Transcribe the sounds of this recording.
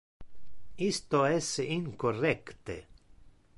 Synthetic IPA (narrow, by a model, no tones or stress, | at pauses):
ist̪oɛsiŋkorɛkt̪ḛ